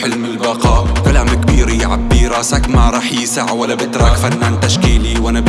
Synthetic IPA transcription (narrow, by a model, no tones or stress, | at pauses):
ħɪlmɪlbɑqɑːkalaːmkbiːɾiʕabːiːɾasakmaɾˤɑːħjsaʕwalbɪt̪ɾˤɑkfanːʕant̪aʃkiːliwanab